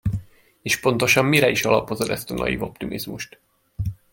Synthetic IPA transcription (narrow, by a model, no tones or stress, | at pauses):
eːʃpo̞nt̪o̞ʃɒmːiɾɛiʃɒlɒpo̞zod̪ɛst̪ɒnɒ̰jḭːvo̞p̚t̪imʔizmuʃt̪